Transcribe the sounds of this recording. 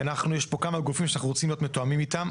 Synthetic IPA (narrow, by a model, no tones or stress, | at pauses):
anaχnujeʃpo̞kamaɡufimʃanaχnuʁot͡simlijo̞t̪met̪oamimit̪am